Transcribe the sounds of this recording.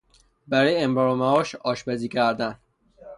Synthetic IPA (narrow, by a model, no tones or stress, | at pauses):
bæɾɔjemɾɑɾomæɒːʃɒːʃbæziːkʰæɾd̪æn